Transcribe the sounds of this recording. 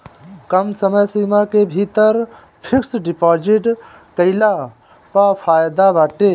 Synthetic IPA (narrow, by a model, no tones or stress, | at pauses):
kəmsəməjsimakebʱit̪əɾ | pʰiksɖipɔd͡ʒiʈ | kəɪla | papʰajd̪abaʈe